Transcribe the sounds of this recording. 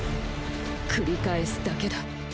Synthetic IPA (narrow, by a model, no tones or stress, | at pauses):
kʰɯ̟ɾʲikaesɨ̥d̪ake̞d̪a